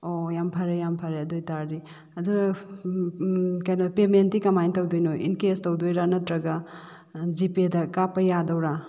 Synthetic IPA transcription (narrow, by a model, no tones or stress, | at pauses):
ojampʰɐɾejampʰɐɾeɐdojtaɾɾi | ɐduɾɐ | kɐjnɐpementikɐmajntɐwdojnoḭnkestɐwdojɾanɐtɾɐɡɐ | d͡ʒipedɐkapɐjadɐwɾa